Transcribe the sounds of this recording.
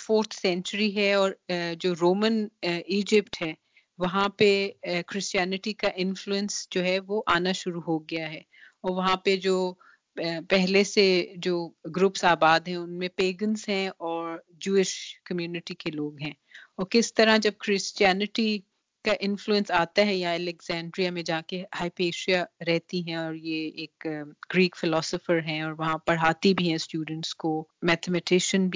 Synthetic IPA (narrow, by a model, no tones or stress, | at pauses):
foːɾt̪ʰsɛ̃nt͡ʃəɾiɦɛɔːɾd͡ʒoːɾoːməniːd͡ʒɪpʈɦɛː | ʋɐɦãpekɾɪst͡ʃijɛːnɪʈikaʔɪ̃nfluə̃nsd͡ʒoːɦɛʋoʔaːnaʃʊɾuɦoɡɪjaɦɛː | ɔːɾʋɐɦãped͡ʒoː | pɛɦlesed͡ʒoːɡɾʊpsaːbaːd̪ɦɛ̃ʊnmẽpeːɡənzɦɛ̃ɔːɾ | d͡ʒuːɪʃkɐmjuːnɪʈikeloːɡɦɛ̃ː | ɔːɾkɪst̪ɐɾãd͡ʒɐb̚kɾɪst͡ʃiɛːnɪʈi | kaʔɪ̃nfluə̃nsaːt̪aɦɛjɐãɛlɛkzɛ̃ːɳɖɾiamẽd͡ʒɐãkehaːɪpeːʃijaɾɛɦt̪iɦɛ̃ɔːɾjeeːkɡɾiːkfɪlɔːsɔfəɾɦɛ̃ɔːɾʋɐɦãpɐɽɦaːt̪ibʱiɦɛ̃sʈjuːɖə̃ɳʈskomɛːt̪ʰɛmɛʈɪʃənbʱi